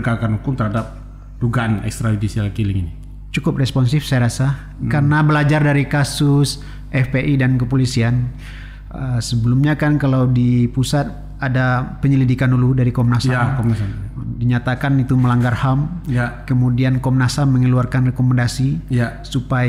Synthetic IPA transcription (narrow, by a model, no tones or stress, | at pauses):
ɡakanhukʊmt̪əɾhadap̚ | duɡaanɛ̰kst̪ɾajudisialkilɪŋini | t͡ʃukʊp̚rɛspɔnsɪfsajɾasa | karnabəlad͡ʒardaɾikasʊs | ʔɛfpeʔidankəpolisian | əsəbəlumɲakankalawdipusat̪̚ | adapəɲəlidikanuludaɾikɔmnasaakɔmasadiɲat̪akanit̪uməlaŋɡarhamjakəmudiankɔmnasamːəŋəluarkanrɛkomandasijasupa